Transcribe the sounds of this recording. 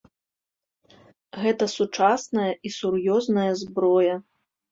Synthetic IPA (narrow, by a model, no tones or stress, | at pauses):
ɣɛt̪ɐsut͡ʂasnɐjɐʔisurjɔznɐjɐzbɾɔjɐ